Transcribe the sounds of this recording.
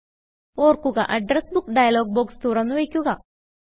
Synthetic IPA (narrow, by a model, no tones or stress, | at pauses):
oːrkuɡɐʔɐɖɾesbukɖɐjɐloːɡ̚boːkst̪uːɾɐnːuʋejkʲːuɡɐ